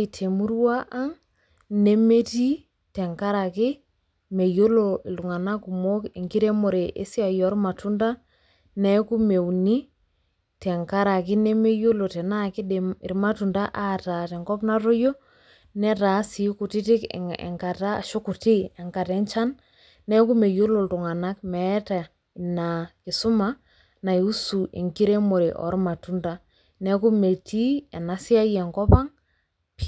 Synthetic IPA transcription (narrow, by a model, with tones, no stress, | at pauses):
tʰe˨mu˦ɾu˦wa˦ʔa˦ŋ | ne˦me˦ti˦ | tɛ˨ŋka˦ɾa˨kɪ˦ | me˨jo˦lo˨ɪ˨lu˨ŋa˨na˦ku˨mo˦ke˨ŋki˦ɾe˦mo˨ɾe˨ʔḛ˦si˦a˨jɔ˨˦ɾma˨tu˦nda˦ | nɛ˦ku˦me˨wni˦ | tɛ˨ŋka˦ɾa˨kɪ˦ne˦me˦jo˦lo˨tɛ˨na˦kɪ˦˨ɪ˨ɾma˦tu˨nda˦ʔa˦ta˨tɛ˨ŋkɔ˦pna˦ɾo˦jo˦ | nɛ˦ta˨˦si˨ku˨tɪ˦tɪ˦kɛ̰˨ŋka˨ta̰ː˦˨ʃo˦ku˨ti˦ɛ˨ŋka˨tɛ˦nt͡ʃa˦n | nɛ˦ku˦me˨jo˦lo˨ltʊ˨ŋa˨na˦kmɛ˨˦ta˨ | na˨kɪ˨sʊ˦ma˦ | na˨ju˦su˨ʔḭ˨ŋki˦ɾe˦mo˨ɾe˨ʔɔ̰˨˦ɾma˨tu˦nda˦ | nɛ˦ku˦me˨ti˦ɛ˨na˦sɪ˦a˦jɛ˨ŋkɔ˦pa˦ŋ | p